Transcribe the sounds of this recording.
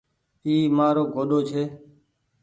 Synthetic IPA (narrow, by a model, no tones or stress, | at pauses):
iːmaːɾoːɡʱoːɗoːt͡ʃʰeː